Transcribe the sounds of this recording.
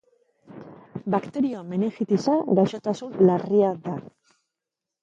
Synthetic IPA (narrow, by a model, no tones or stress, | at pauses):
bakt̪e̞ɾioame̞nexit̪isaɡajʃot̪asunlariad̪a